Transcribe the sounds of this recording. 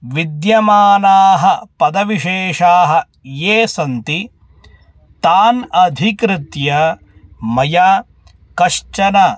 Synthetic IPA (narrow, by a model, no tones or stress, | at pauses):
ʋid̪jɐmaːnaːɦɐpɐd̪ɐʋiʃeːʂaːɦɐ̆ | jeːsɐnt̪i | t̪aːnɐd̪ʱikɾɪt̪jɐ | mɐjaː | kɐʃt͡ʃɐna